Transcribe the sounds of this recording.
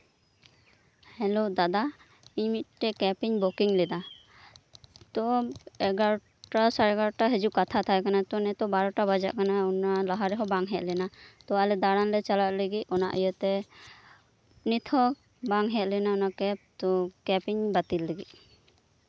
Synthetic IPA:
hɛlod̪ad̪a | iɲmit̪̚ʈɛkɛpiɲbɔkiŋlɛd̪a | t̪ɔɛɡaɾɔ | ʈasaɾɛɡaɾɔʈaɦɛd͡ʒukat̪ʰat̪ʰajkanat̪ɔnɛt̪ɔbaɾɔʈabad͡ʒa̰ʔkanaɔnalaɦaɾɛɦɔbaŋɦɛt̪̚lɛnat̪ɔalɛd̪aɽanlɛt͡ʃalat̪̚leɡiɔnaʔɔjɔt̪ɛ | nit̪ʰɔ | baŋɦɛt̪̚lɛnaɔnakɛp̚t̪ɔkɛpiɲbat̪ilːɛɡiʔ̚

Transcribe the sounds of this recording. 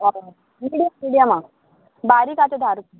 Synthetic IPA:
a | miɽijamiɽijama | baɾiːkat͡ɕed̪ʱaɾu

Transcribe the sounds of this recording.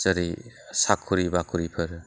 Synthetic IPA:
səɾisakʰːuɾibakʰuɾipʰɯɾ

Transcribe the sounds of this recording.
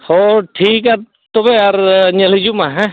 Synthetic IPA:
hoʈʰiːkaɾ | t̪obeaɾɲɐlid͡ʒumãɦɛ̃

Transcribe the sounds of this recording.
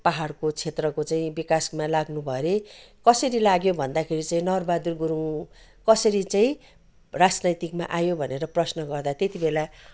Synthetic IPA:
paɦarkot͡sʰet̪rʌkot͡saĩbikasmalaɡnubʱʌɾekʌsʌɾilaɡjobʱʌnd̪akʰeɾit͡saĩnʌrbad̪urɡuɾũ | kʌsʌɾit͡saĩ | rad͡znʌjt̪ikma̰ʔajobʱʌneɾʌprʌsnʌɡʌrd̪at̪et̪ibela

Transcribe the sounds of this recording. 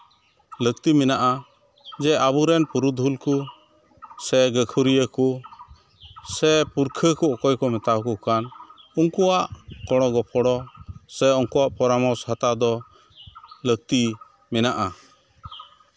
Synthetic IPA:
lək̚t̪imɛnaʔa | d͡ʒɛʔabuɾɛnpuɾud̪ʱulku | sɛɡəkʰuɾijəku | sɛpuɾkʰəkuɔkɔjkɔmɛt̪akukanuŋkuaʔkɔɽ̃ɔɡɔpʰɔɽɔsɛɔŋkuaʔpɔɾamɔshat̪ad̪ɔ | lək̚t̪i | mɛnaʔa

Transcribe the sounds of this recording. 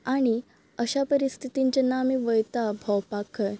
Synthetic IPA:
aɽ̃i | əɕapəɾist̪ʰit̪iɲt͡ɕanamiʋəjt̪abʱɔwpakʰə

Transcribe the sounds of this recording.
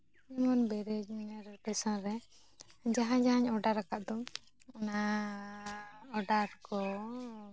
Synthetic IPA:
mɔnbɛɾɛd͡ʒnɛɾpɛsãɾɛ | d͡ʒaɦãd͡ʒaɦaɲɔɖaɾakaʔd̪ɔ | na | ɔɖaɾkɔ

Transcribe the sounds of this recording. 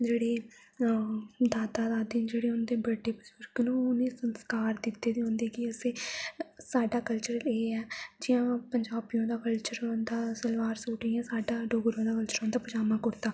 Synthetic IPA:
d͡ʒeːɽeː | d̪aːt̪aːd̪aːd̪ĩnd͡ʒeːɽeːʊnd̪eːbəɖeːbəzʊɾɡnũːʊnẽːsənskaːɾd̪ɪt̪ːeːd̪iːɦõːnd̪eːkɪəseːsaːɖaːkəlt͡ʃəɾleːɛːd͡ʒɪjãːpəɲd͡ʒaːbijõːd̪aːkəlt͡ʃəɾõːnd̪aːsəlʋaːɾsuːʈĩːãːsaːɖaːɖoːɡɾõːd̪aːkəlt͡ʃəɾõːnd̪aːpəd͡ʒaːmãːkʊɾt̪aː

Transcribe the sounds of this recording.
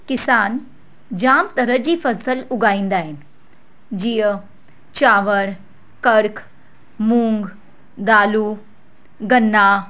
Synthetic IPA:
kɪsaːn | d͡ʒaːmt̪ɐɾəd͡ʑiːfɐsəlʊɡaːĩːnd̪aːɦɪn | d͡ʑijə | t͡ʃaːʋəɾ | kəɾkʰ | mũːŋɡ | d̪aːlu | ɡɐnːa

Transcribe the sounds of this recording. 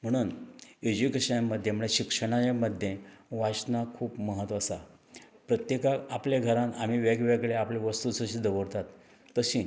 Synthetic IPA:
m̤əɽ̃uːned͡ʑukeɕənaməd̪ʱːjem̤əɭeɕikʂəɽ̃ajeməd̪ʱjeʋat͡ɕnakʰuːpməɦət̪ʋasa | pɾət̪jekaapljaɡʱəɾãnam̤iʋaɡeʋeɡɭeapleʋəst̪usəɕĩd̪əʋəɽt̪at̪ː | əɕĩː

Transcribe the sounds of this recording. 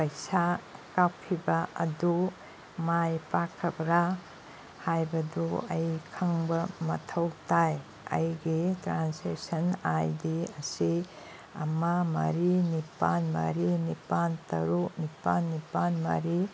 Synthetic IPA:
pɐjsakawkʰibaɐ̰du | majpakʰːɐbɾa | hajbɐduɐ̰jkʰɐŋbɐmɐtʰɐwtaj | ɐ̰jɡitɾansesɐnajdiɐsi | ɐ̰mɐmɐ̰ɾinipanmɐ̰ɾinipantɐ̰ɾuk̚nipanːipanmɐ̰ɾi

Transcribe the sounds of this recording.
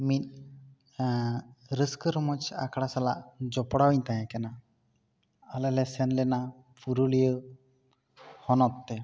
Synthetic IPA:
mit̪̚ | ɾəskəɾmɔt͡ʃa̰kʰɽasalaʔd͡ʒɔpɔɽawiɲt̪ajãkɛna | alɛlɛsɛnlɛna | pʰuɾulijə | hɔnɔt̪ːɛ

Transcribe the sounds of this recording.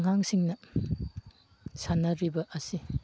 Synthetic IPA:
ŋaŋsiŋnɐ | sanɐɾibɐʔɐsi

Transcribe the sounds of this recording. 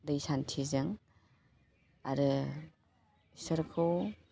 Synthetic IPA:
dɯjsantʰizɯŋ | aɾɯ | səɾkʰɯw

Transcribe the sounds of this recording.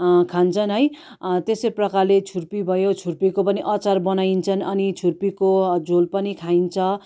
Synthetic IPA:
kʰant͡sʰʌnɦʌj | t̪esʌjprʌkarlet͡sʰurpibʱʌjot͡sʰurpikopʌniʔʌt͡sarbʌnajint͡sʰʌnʌnit͡sʰurpikod͡zolpʌnikʰaint͡sʰʌ

